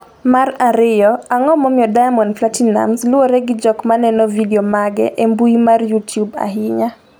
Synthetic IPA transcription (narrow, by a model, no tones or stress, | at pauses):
maɾaɾɪjɔaŋɔmɔmɪɔdaamɔnflatina̰mslʊoɾɛɡɪd͡ʒɔkmanɛnɔvideomaɡɛ̰ʔembuimarjutjuba̰ɦɪɲa